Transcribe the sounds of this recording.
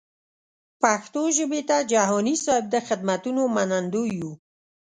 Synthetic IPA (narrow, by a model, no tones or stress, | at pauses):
paxt̪oʒəbet̪ad͡ʒaɦɔnisɔɦɪb̚d̪əxɪd̪̚mat̪unomanand̪oju